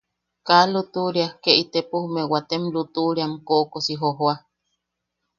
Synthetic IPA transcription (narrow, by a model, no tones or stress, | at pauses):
kalut̪uɾiahkeit̪epuhumewat̪emlut̪uʔɾiamkoʔkosiɦoɦoa